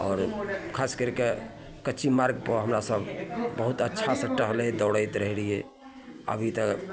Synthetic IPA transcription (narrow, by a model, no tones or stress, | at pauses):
ɔːɾkʰaːskəɾke | kəːt͡ʃʰimaɾɡpəɦəmɾasəbʱbəɦʊt̪ətːʃʰasə̃ʈːəɦled̪ɔːɽəɪt̪ɾəɦɽie | ə̰bʱit̪ək